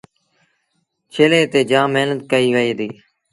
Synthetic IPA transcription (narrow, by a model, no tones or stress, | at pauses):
t͡ʃʰeːlẽːt̪eːd͡ʒãːmeːnət̪̚kəiːʋəiːd̪iː